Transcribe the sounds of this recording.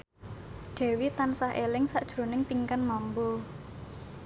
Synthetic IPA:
ɖ̪̥ɛ̤wit̪ansahelɪŋsaʔd̥ʒ̥ɾo̤nɪŋpiŋkanmambo

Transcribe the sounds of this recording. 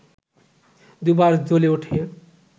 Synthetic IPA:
d̪ubaɾd͡zoleoʈʰe

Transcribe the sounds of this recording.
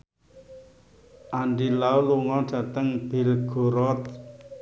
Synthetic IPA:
ʔaɳɖilauluŋɔɖ̥ä̤t̪əŋb̥ɪ̤lɡ̥o̤ɾɔt̪̚

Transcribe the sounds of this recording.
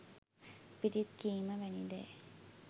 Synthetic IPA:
piʈit̪kiːməʋɛnid̪ḛː

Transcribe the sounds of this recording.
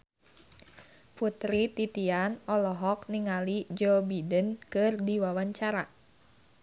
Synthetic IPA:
put̪ɾit̪it̪ianɔlɔɦɔk̚niŋalid͡ʒɔbidənkɨrdiwawaɲt͡ʃaɾa

